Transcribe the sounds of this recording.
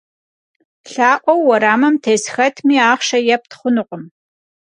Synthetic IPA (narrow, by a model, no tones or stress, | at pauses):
ɬaːʔʷɔwːɐɾaːmɐmtʰeːsxɐtʰmiːaːχʃɐjɛp̚tχʷʊnɨqʷʼʊm